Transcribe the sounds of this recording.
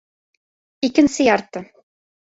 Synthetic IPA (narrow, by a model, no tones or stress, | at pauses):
ikɘ̆nsɘjɑɾt̪ɤ